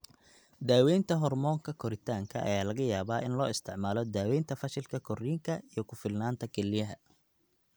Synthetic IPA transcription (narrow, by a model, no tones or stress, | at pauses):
d̪aːwɛjnt̪ʰɐɦɔrmɔːŋkʰɐkʰɔɾɪt̪ʰaːŋkʰɐ̰ʔɐ̰jaːlɐɣɐjaːβaːʔɪnlɔːɪst̪ʰɪʕmaːlɔd̪aːwɛjnt̪ʰɐfɐʃɪlkʰɐkʰɔriːŋkʰɐijɔkʰʊfɪlnaːnt̪ʰɐkʰɛlɪjɐɦɐ